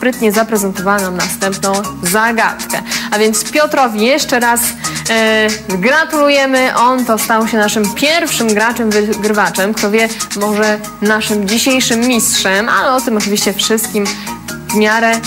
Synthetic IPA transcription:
spɾɘt̪ɲɛzapɾɛzɛnt̪ɔvawanamnast̪ɛmpnɔ̃w̃zaɡa̰t̪kɛ̰avʲjɛnt̪spʲjɔt̪ɾɔvʲijɛʂt͡ʂɛɾas | ɡɾat̪ulujɛmɘʔɔnt̪ɔst̪awɕɛnaʂɘmpʲjɛɾfʂɘmɡɾat͡ʂɛmvɘɡɾɘvat͡ʂɛmkt̪ɔvʲjɛmɔʐɛ | naʂɘmd͡ʑiɕejʂɘmːʲistʂɛma̰lɛɔt̪ɘmɔt͡ʂɨvʲiɕt͡ɕɛfʂɘst̪̚kʲimvmʲjaɾɛ

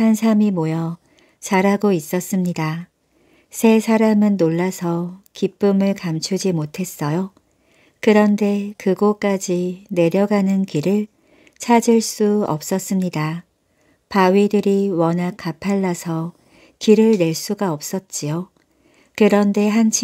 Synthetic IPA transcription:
hansʰamimojʌ | t͡ɕaɾɦaɡois͈ʌs͈ɯmɲida | sʰe̞sʰaɾamɯnːoɭːasʰʌkip͈ɯmɯɭkamt͡ɕʰud͡ʑimotʰe̞s͈ʌjo | kɯɾʌnde̞kɯɡok͈ad͡ʑine̞ɾjʌɡanɯnkiɾɯɭ | t͡ɕʰad͡ʑiɭs͈uʌ̰p̚s͈ʌs͈ɯmɲida | pawɥidɯɾiwʌnak͈ʰːapʰaɭːasʰʌ | kiɾɯɭne̞ɭs͈uɡaʌp̚s͈ʌt̚t͡ɕ͈ijo | kɯɾʌnde̞ɦant͡ɕʰ

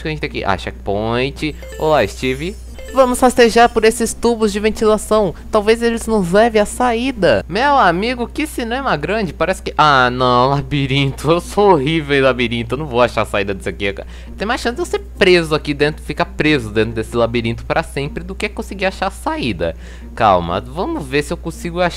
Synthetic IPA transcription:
kɐʒẽt͡ʃɪt̪ẽj̃kḭʔa̰ʃɛkɪ̥põj̃t͡ʃɪ | o̰laɪst͡ʃivɪ | vɐ̃mʊsfast̪eʒaɾpʊɾesɪst̪ubʊzd͡ʒɪvẽt͡ʃ̪ilasɐ̃w̃t̪awvezelɪznʊzlɛvɪasaid̪ɐmewamiɡʊkɪsinẽẽw̃ɛmɐɡɾɐ̃d͡ʒɪpaɾɛsɪ̥kɪʔanɐ̃w̃labiɾĩt̪ʊewsoohivewlabiɾĩnʊewnɐ̃w̃vowaʃaɾɐsaid̪ɐd̪ɪseakika̰ | t̪ẽj̃majsʃɐ̃sɪd̪ewseɾpɾezʊakid̪ẽnt̪ɾʊfikapɾezʊd̪ẽt̪ɾʊd̪esɪlabiɾĩnt̪ʊ̥paɾɐsẽmpɾɪd̪ʊkekõsɪɡiaʃaɾsaid̪ɐ̰ | ka̰wmɐ̰vɐ̃mʊzveɾsɪewkõsiɡʊaʃ

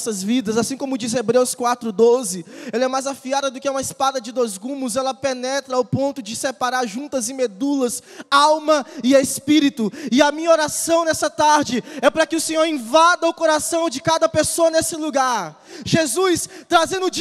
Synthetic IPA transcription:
sɐzvid̪ɐzasĩkõmʊd͡ʒizebɾewskwat̪ɾʊd̪ozɪɛlɐɛmajzafiad̪ɐd̪ʊkɪɛũmɐispad̪ɐd͡ʒɪd̪ojzɡũmʊzɛlɐpenɛt̪ɾɐawpõnt̪ʊd͡ʒɪsepaɾaɾʒũnt̪ɐzɪ̃med̪ulɐsawmɐɪeespiɾit̪ʊɪɐmĩɲɐoɾasɐ̃w̃nɛsɐt̪aɾd͡ʒɪɛpɾɐkɪʊsẽɲoɾẽvad̪ɐʊkoɾasɐ̃w̃d͡ʒɪkad̪ɐpesoɐnesɪluɡaɾ | ʒezujst̪ɾazẽnd̪ʊd͡ʒ

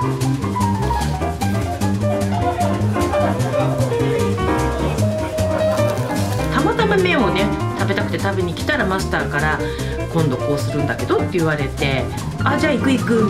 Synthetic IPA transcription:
t̪amat̪amamẽ̞ɰ̃o̞ne̞t̪abe̞t̪akɯ̟̥t̪e̞t̪abeɲ̟ikʲi̥t̪aɾamasɨ̥t̪aːkaɾa | kõ̞nd̪o̞ko̞ːsɨɾɯ̟̃nd̪ake̞d̪o̞t̪ːe̞ɯ̟β̞aɾe̞t̪e̞ | ad͡ʑaːikɯ̟ikɯ̟

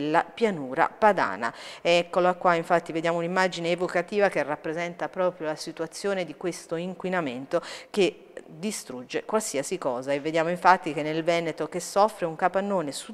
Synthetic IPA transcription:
lːapjanuːɾa̰pad̪a̰ːna̰ɛkːoloakːwaiɱfat̪ːived̪jaːmounimːad͡ʒineːvokat̪iːvak̟erapːɾezɛnt̪apɾɔːpɾjolasit̪uat̪sːjoːned̪ikwest̪oiŋkwinament̪ok̟e | d̪ist̪ɾud͡ʒːekwalsiasikɔːzaevːed̪jaːmoiɱfat̪ːik̟enːelvɛːnet̪okesːɔfːɾeuŋkapanːoːnesu

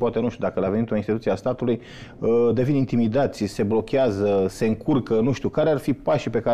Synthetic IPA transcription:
poat̪e̞nuʃt̪ʲud̪akəlaveit̪o̞inst̪it̪ut̪ieast̪at̪uluj | d̪e̞vinint̪imid̪at̪sʲse̞blo̞kʲeazəse̞ɨŋkʰurkənuʃt̪ʲiukaɾearfipaʃipe̞ka

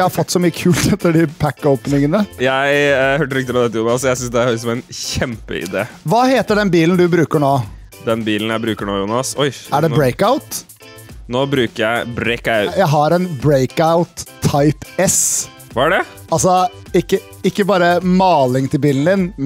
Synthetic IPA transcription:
hɑɾfɔt̪ːsɔmyːəkʰʉːlt̪ʰɛt̪ːəɖɪpʰækːɔʊpnɪŋənəjæɪhøːʈəlɪkt̪ɪɾɑd̪ɛt̪ːəjuːnɑsɔjæɪsʏnsd̪ɛæɾlɪksɔmæɪnçɛmpə̰ɪ̰d̪ḛːʋɑːheːt̪əɖɛnbiːlnd̪ʉbɾʉːkəɳoː | d̪ɛnbiːln̩jæɪbɾʉːkəɳoːjuːnɑsɔɪæɖɛbɾeɪkaʊt̪ | noːbɾʉːkəɾjæɪbɾɛɪkajæɪɦɑɾɛnbɾeɪkaʊt̪ʰːɑɪpɛs | ʋɑæɖɛ | ɑlsɔ | ɪkːə | ɪkːəbɑːɾəmɑːlɪŋt̪ʰɪlbiːln̩d̪ɪn

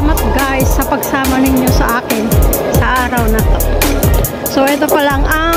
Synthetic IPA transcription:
mɐt̪̚ɡajsːɐpɐɡsaːmɐnɪɲo̞sɐʔaːkɪnsɐʔaːɾɐwnɐt̪o | soʔɛt̪o̞pɐlaŋʔɐ

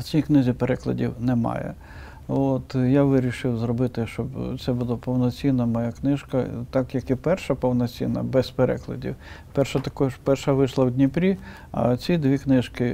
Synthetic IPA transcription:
t͡sʲijknɪzʲipeɾɛklˠɐ̰dʲiwnɛmɑ̰jɛ̰ | ot̪jaʋɪɾʲiʃɪwzrɔbɪt̪ɪʃt͡ʃɔbt̪sɛbud̪ˠɐpɔwnɔt͡sʲinːɐmɔjaknɪʒkɐt̪ɑkjɐkipɛrʃɐpɔwnɔt͡sʲḭnɐ̰bɛspeɾɛ̰klˠɐ̰dʲḭw | pɛrʃɐt̪ɐkɔʒpɛrʃɐʋɪʃlˠɐwdʲnʲipɾʲi | ɐ̰t͡sʲid̪ʋʲiknɪʒkɪ

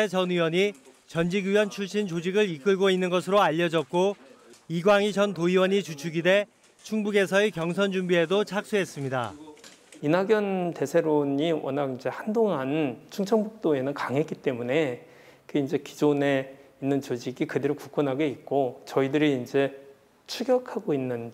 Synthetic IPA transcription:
et͡ɕʌniwʌɲi | t͡ɕʌnd͡ʑiɡjujʌnt͡ɕʰuɭɕ͈int͡ɕod͡ʑiɡɯɾik͈ɯɭɡoinːɯnɡʌs̬ʰɯɾoaʎːʌd͡ʑʌk̚k͈oiɡwaŋit͡ɕʌntoiwʌɲit͡ɕut͡ɕʰuɡide̞ | t͡ɕʰuŋbuɡe̞sʰʌekjʌŋs̬ʰʌnd͡ʑumbie̞dot͡ɕʰak̚s͈uɦe̞s͈ɯmɲida̰ | inaɡjʌnte̞sʰe̞ɾoɲiwʌ̰naɡind͡ʑe̞handoŋant͡ɕʰuŋt͡ɕʰʌŋbuk̚t͈oe̞nɯnkaŋɦe̞k͈it͈e̞mune̞ | kɯind͡ʑe̞ki̥d͡ʑone̞inːɯnt͡ɕod͡ʑiɡikɯdeɾukuk͈ʰʌnɦaɡeik̚k͈ot͡ɕʌidɯɾiːnd͡ʑe̞ | t͡ɕʰuɡjʌkʰaɡoinːɯn

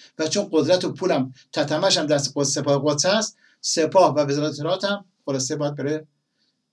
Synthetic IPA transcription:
væt͡ʃʰonɢod̪ɾæt̪ʰopʰuːlæmt̪ʰæt̪ʰæmæʃæmd̪æsɡosepɒːheɣod̪sæs | sepʰɒːhvævezɒːɾæt̪eeɾɒːt̪ʰæm | xolɒsebɒːjæd̪̚beɾe

